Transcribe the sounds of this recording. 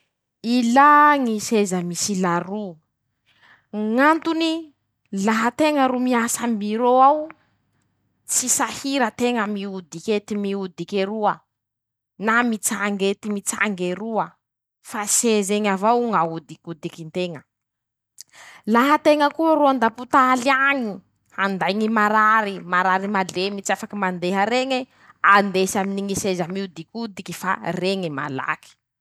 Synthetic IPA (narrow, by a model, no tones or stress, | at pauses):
ilaŋisezəmisilaɾu | ŋant̪uni | laɦət̪eŋəɾumiasəmiɾoaw | t͡sisahiɾət̪eŋəmiud̪iket̪imiud̪ikeɾuə | namit͡saŋɡet̪imit͡sa̰ŋɡeɾuə | fasezeŋavauŋaud̪ikud̪ikint̪eŋə | laɦət̪eŋəkuəɾuand̪aput̪aaliaŋi | and̪ajŋimaɾaɾimaɾaɾimalemit͡siafakimand̪eɦəɾeŋe | and̪esaminiŋisezamiud̪ikʲud̪ikifa̰reŋema̰la̰ki̥